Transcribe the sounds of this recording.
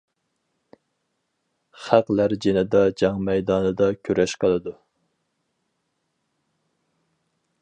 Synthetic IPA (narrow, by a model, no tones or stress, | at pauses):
χæqlæɾd͡ʒenɪd̪ɑd͡ʒɑŋmɛjd̪ɑːnɨd̪ɑkʲʰøɾɛʃqʰəlˠɨd̪u